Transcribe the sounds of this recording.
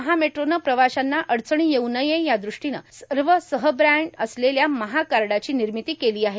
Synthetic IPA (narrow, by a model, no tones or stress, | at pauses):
əɦameʈɾonəpɾəʋaɕanːaʔəɽt͡səɳ̃iːjewnəjejad̪ɾuʂʈinə̰səɾʋəsəɦəbɾæɳɖəsleljaməɦakaɾɽat͡ɕiːniɾmit̪iːkeliːaɦe